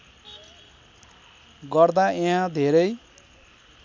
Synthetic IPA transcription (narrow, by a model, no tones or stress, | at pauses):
ɡʌrd̪aeɦãd̪ʱeɾʌj